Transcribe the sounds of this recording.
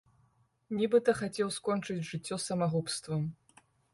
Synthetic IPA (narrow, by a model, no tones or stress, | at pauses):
nʲibɨt̪ɐxat͡sʲɛwskɔnt͡ʂɨd͡zʲʐɨt͡sʲːɔsɐmaɣupst̪vɐm